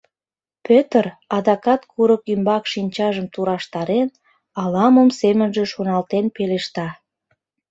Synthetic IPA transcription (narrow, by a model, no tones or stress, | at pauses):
pʰøt̪ərɑd̪ɑkɑt̪kʰuɾəkymbɑkʃinʲt͡ɕɑʒəmt̪uɾɑʃt̪ɑɾen | ɑlɑməmsemənʒe̽ʃonɑlt̪enpeleʃt̪ɑ